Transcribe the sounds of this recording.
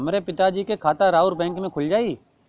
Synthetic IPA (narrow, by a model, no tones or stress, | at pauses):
mɾepɪt̪ad͡ʒiːkekʰaːt̪aɾaːʊɾbɛ̃ːŋkmẽkʰʊld͡ʒaːiː